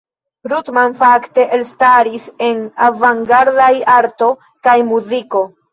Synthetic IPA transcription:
ɾutmanfakte̞ʔelstaɾise̞navaŋɡaɾdajaɾto̞ | kajmuziko̞

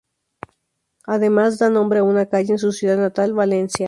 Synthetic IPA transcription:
aðe̞mazd̪anõ̞mbɾeaunakaʝeːns̬usjuðaðnat̪alβalensja

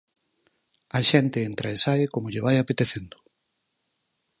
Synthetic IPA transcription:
aʃɛnt̪eːnt̪ɾaesaɪkomoʎeβajapet̪eθend̪ʊ̥

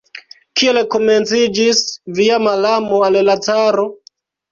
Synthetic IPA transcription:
kielko̞ment͡sid͡ʒisviamalamoallataɾo

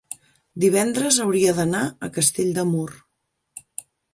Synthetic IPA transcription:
d̪iβ̞ɛnd̪ɾəzəwɾiəðənaəkəst̪eʎʲd̪əmur

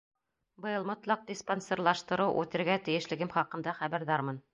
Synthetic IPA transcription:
bɤ̆jɤlˠmŏt̪lˠɑq̚d̪ʲisponseɾlˠɑʃt̪ɤ̆ɾɤwʔʉ̰t̪ɘ̆ɾɡæt̪ɘ̆jɘ̆ʃlɘ̆ɡɘmχɑqɤ̆nd̪ɑχæβæɾðɑɾmɤn

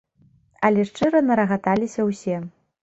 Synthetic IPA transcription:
ɐlʲɛʂt͡ʂɨɾɐnɐɾɐɣat̪alʲisʲɐwsʲɛ

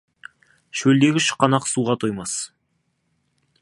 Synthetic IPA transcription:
ʃɵld̪e̞ɡʲɪʃə̥qʰːɑnɑqsuʁɑt̪ʰojmɑs

